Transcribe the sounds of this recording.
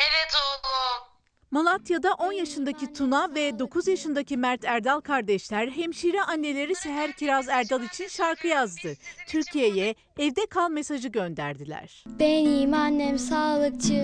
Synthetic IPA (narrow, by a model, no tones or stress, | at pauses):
evɛd̪uːɡu | molˠat̪ʰjad̪aʔo̞njaʃɯnd̪acit̪ʰunavɛd̪o̞kʰuzjaʃɯnd̪acʰimæɾt̪ʰæɾd̪alˠkʰaɾd̪ɛʃlʲæɾɦɛmʃiɾɛʔanːe̞lʲe̞ɾiseɦæɾcʰiɾazæɾd̪alˠit͡ʃʰinʃaɾkʰɯjazd̪ɯt̪ʰyɾcʰijejɛː | vd̪ɛkʰalˠme̞saʒɯɟø̞nd̪æ̰ɾd̪ilʲæ̰ɾ̥b̥ɛniːmanːɛmsaːlˠɯk̚t͡ʃʰɯ